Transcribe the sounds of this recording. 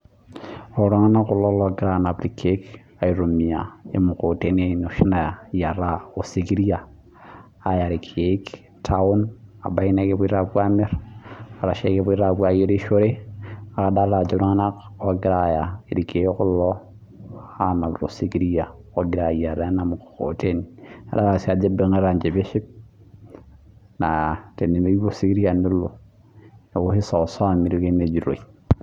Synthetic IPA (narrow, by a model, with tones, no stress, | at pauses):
o˨ɾa˦ŋa˦na˦kʊ˦˨lɔ˦lo˦ɡi˦ɾa˦˨na˨bɾi˨kʰe˦k | a˨i˨ɾo˨mi˨a˨ḛ˦mu˨ko˨te˦ne˦n˨o˨ʃi˦na˨a˨ja˨ɾa˦o˨si˨ɡi˦ɾi˦aː˨ | ja˨ɾi˨kʰe˦k | tʰa˦u˦na̰˨ba˦i˦na˦ke˦pu˦i˦ɾa˦bʷa˦me˦ɾa˨ɾa˨ʃe˦ke˦pu˦i˦ɾa˨bu˦a˨je˦ɾi˦ʃo˦ɾe˦a˨ka˨da˦la˨d͡ʒo˨ɾa˦ŋa˦na˦ko˦ɡi˦ɾa˦˨ja˨i˨ɾi˨ke˨˦kʊ˦lːɔ˦ | a˦na˨lɾo̰˨si˦ɡi˦ɾi˦ja˨o˨ɡiɾa˨ja˨ɾa˨˦na˨m˨ko̰˨te˦na̰˨da˦wa˨si˦a˨d͡ʒe˦be˨ŋa˦ɾa˨nd͡ʒe˨be˦ʃi˦b̚ | na˨te˨nːi˨me˦i˦o˦si˦ɡi˦ɾi˦a˨ni˦lːo̰˨ | ne˨u˦hi˦sa˨sa˦˨mi˨ɾi˦ke˦ne˨d͡ʒi˨ɾo̰˨i˨